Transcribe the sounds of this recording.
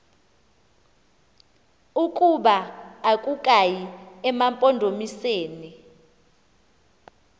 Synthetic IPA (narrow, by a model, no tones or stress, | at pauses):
ukʼuɓaakʼukʼajiɛmampʼɔndʱomiseːni